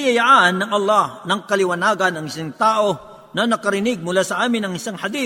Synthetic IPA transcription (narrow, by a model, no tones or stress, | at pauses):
jɐjaʔaʔɐnːɐŋʔɐlːahnɐŋkɐlɪwɐnaːɡɐnɐŋɪsaŋt̪aːʔo̞ | nɐnɐkɐɾɪnɪɡ̚mʊlaːsɐʔaːmɪnɐŋɪsaŋhad̪i